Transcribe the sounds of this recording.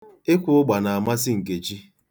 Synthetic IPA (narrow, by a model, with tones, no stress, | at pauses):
ɪ˦kʷʊ˨ʊ˦ɡ͡ba˨na˨a˨ma˦s̬ɪ˦ŋ̩˨ke˨t͡ʃi˦